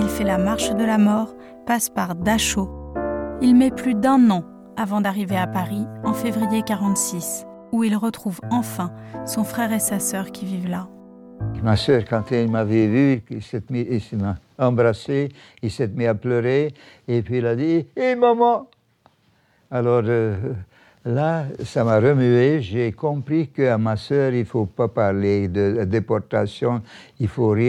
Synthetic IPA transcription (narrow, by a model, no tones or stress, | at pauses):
ilfɛlamaʁʃd̪əlamɔʁ | paspaʁd̪aʃo | ilmɛplyd̪ɛ̃nɑ̃ | avɑ̃d̪aʁiveapaʁiɑ̃fevʁijekaʁɑ̃t̪sis | uilʁət̪χuvɑ̃fɛ̃sɔ̃fχɛʁesasœʁkʲivivla | masœʁkɑ̃t̪ɛilmavɛvyilsɛt̪misema | ɑ̃bʁase | ilsɛt̪miapløʁe | epɥiːlad̪iemɔmɑ̃ | alɔʁ | lasamaʁəmyeʒekɔ̃pχikəamasœʁilfopapaʁled̪əd̪epɔʁt̪asjɔ̃ | ilfoʁj